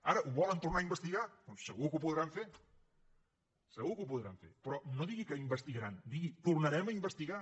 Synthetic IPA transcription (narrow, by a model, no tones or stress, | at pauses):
aɾəʔuβɔlənt̪uɾnaimbəst̪iɣakosə̰ɣukupuðɾaɱfeɾ | səɣukupuðɾa̰ɱfḛɾpɾɔnoðiɣikəimbəst̪iɣəɾand̪iɣit̪uɾnəɾɛməimbəst̪iɣa